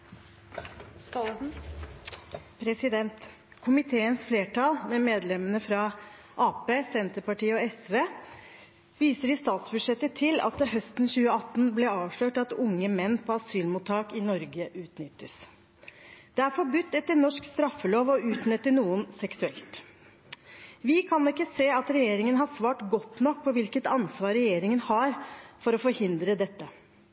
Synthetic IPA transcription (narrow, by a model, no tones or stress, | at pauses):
pʰɾɛsɪd̪ɛnt̪ | kʰʊmɪt̪ʰeːənsfleːʈʰɑlmɛmeːd̪lɛmənəfɾɑ | ʔɑːpeːsɛnt̪əɾpɑʈiːəɔɛsʋeː | ʋiːsəɾɪst̪ɑːt̪sbʉʂɛt̪ːət̪ʰɪlɑ̰t̪̚d̪ɛɦœst̪nçʉːəɑt̪ːn̩blɛɑːʋʂløːʈɑt̪ʊŋːəmɛnːpʰɔɑsyːlmuːt̪ʰːɑːkɪnɔɾɡəʔʉːt̪nʏt̪ːəs | d̪̥ɛæɾfɔɾbʉt̪ːɛt̪ːəlnɔʂkst̪ɾɑfːəloːʋɔʉːt̪nœt̪ːənuːənsɛksʉɛ̰lt̪ | ʋɪkʰɑnɪkːəseːɑt̪ɾɛjeːɾɪŋənɦɑsʋɑːʈɡɔt̪ːnɔk̚ːpʰɔʋɪlkət̪ɑnsʋɑːɾɛjeːɾɪŋənhɑɾfɔɾɔfɔɾhɪnd̪ɾəd̪ɛt̪ːə